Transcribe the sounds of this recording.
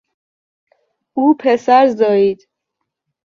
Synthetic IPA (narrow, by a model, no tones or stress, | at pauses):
uːpʰesæɾzɒːiːd̪̥